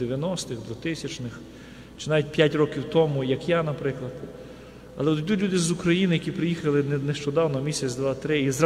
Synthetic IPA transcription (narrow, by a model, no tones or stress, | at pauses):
eʋʲjɐnɔst̪ɪxd̪ʋʊt̪ɪsʲɐt͡ʃnɪx | t͡ʃɪ̥nɑʋʲit̚ʲpʲjatʲɾɔkʲiwt̪ɔmʊjɐkjanɐpɾɪklˠɐd̪ | ɐlˠɛd̪ʲulʲud̪ɪzʊkɾɐjinɪjɐkʲipɾɪjixɐlˠɪnnɛʃt͡ʃɔd̪ɑwnɔmʲisʲɐt͡sʲd̪ʋɑt̪ɾɪiza